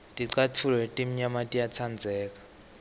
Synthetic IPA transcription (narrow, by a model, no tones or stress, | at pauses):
tʼiǀatʰulwɛtʼim̩ɲamatʼijat͡sʰand͡zʱɛːk̬ʼḁ